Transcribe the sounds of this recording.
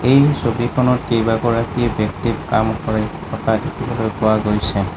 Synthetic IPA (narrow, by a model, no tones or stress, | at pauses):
ejsobikʰɔnɔtkejbaɡɔɹakiebɛktibkamkɔɹeɔtʰadekʰibɔlojkʊwaɡojsɛ